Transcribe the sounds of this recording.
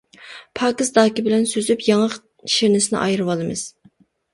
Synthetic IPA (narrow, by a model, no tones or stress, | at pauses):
pʰɑːkɨsd̪ɑːkʲibɪlɛnsøzypjɑŋəq | ʃeɾnɪsɪnɪ̰ʔɑ̰jɾɨwɑlˠɨmɨz̥